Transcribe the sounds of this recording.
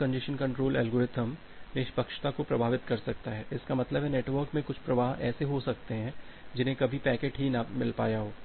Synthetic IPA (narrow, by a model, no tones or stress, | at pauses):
kɐ̃ɳɖɪʃənkɐ̃ɳʈɾoːlɛːlɡoɾɪt̪əm | neːʃpɐkʃt̪akopɾɐbʱaːʋɪt̪kɐɾsɐk̚t̪aɦɛːʔɪskamɐt̪ləbʱɦɛneːʈʋəɾkmẽkʊt͡ʃʰpɾɐʋaːɦɛ̰ːseɦosɐkt̪eɦɛ̃ːd͡ʒɪnɦẽkɐbʱipɛːkeːʈɦinamɪlpa̰ːjaɦoː